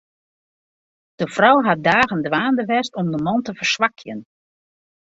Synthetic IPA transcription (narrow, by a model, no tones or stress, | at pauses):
d̥əfrɔwɦat̚daːɣəndʋaːndəʋɛstɔmdəmɑntəvərsʋakʰjən